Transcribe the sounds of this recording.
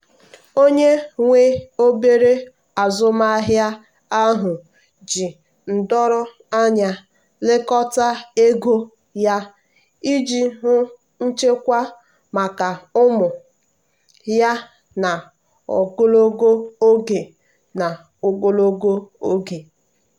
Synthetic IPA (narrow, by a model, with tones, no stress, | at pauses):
o˦ɲe˦ŋʷe˦o˦be˦ɾe˦ | a˨zʊ˦ma˦ɦja˦ | a˦ɦʊ˨ | d͡ʒi˨ | n̩˨dɔ˦ɾʊ˦ | a˦ɲa˨ | lɪ˦kɔ˦ta˦e˦ɡo˦ | ja˦ | i˦d͡ʒi˨ɦʊ˦ | n̩˦t͡ʃe˦kʷa˦ | ma˨ka˨ʊ˦mʊ˨ | ja˦ | na˨ | o̰˨ɡo˦lo˦ɡo˦o˦ɡe˨ | na˨ | o˨ɡo˦lo˦ɡo˦o˦ɡe˨